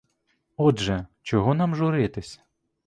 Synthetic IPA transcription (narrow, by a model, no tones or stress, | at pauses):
ɔdʒɛt͡ʃɔɦɔnɑmʒʊɾɪt̪ɪsʲɐ̥